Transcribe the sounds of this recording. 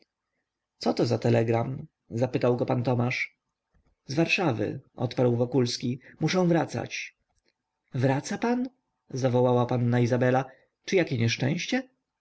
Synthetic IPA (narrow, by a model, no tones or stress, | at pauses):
t̪sɔt̪ɔzat̪ɛlɛɡɾam | zapɘt̪awɡɔpant̪ɔmaʂ | zvaɾʂavɘ̰ʔɔ̰t̪paɾwvɔkulskʲimuʂɛ̃w̃vɾat̪sa̰t͡ɕ | vɾat̪sapan | zavɔwawapanːaizabɛla | t͡ʂɘjakʲɛɲɛʂt͡ʂɛ̰̃ɕt͡ɕɛ